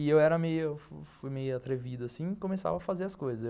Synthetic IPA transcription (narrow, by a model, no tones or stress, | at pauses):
ɪewɛɾɐmejʊewffujmejʊat̪ɾevid̪ʊasĩkõmesa̰vɐafazeɾɐskojzɐze